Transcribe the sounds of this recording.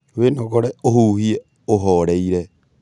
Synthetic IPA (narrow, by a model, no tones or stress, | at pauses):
wenoɣoɾeohuhie | oɦoɾeiɾe